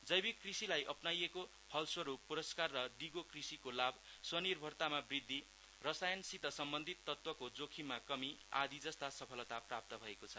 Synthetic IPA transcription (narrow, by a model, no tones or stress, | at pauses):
d͡zʌjbikːrisilajʔʌpnajeko | hʌlswʌɾupːuɾʌskarːʌd̪iɡokrisikolabswʌnirbʱʌrt̪amabrid̪ʱːi | rʌsajʌnsit̪ʌsʌmbʌnd̪ʱit̪ːʌt̪wʌkod͡zokʰimakʌmia̰d̪id͡zʌst̪asʌpʰʌlʌt̪aprap̚t̪ʌbʱʌekot͡sʰʌ